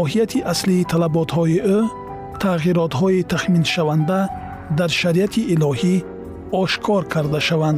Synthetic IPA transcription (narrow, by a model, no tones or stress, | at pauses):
ɔɦijat̪ʰiʔasliːt̪ʰalabɔt̪hɔiʔo | t̪ʰaɣiɾɔt̪hɔit̪ʰaχminʃavand̪a | d̪aɾʃaɾiat̪ʰiʔːlɔhi | ɔʃkʰɔɾkʰaɾd̪aʃavand̪